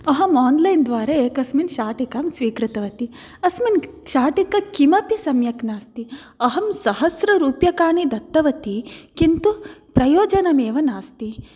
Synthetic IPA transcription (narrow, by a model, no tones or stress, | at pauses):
ɐɦɐmaːnlɐjnd̪ʋaːɾɐeːkɐsminʃaːʈikaːmsʋiːkɾɨt̪ɐʋɐt̪i | ɐsminʃaːʈikɐkimɐpisɐmjɐknaːst̪i | ɐɦɐmsɐɦɐsɾɐɾuːpjɐkaːɳid̪ɐt̪ːɐʋɐt̪ikint̪upɾɐjoːd͡ʒɐnɐmeːʋɐnaːst̪i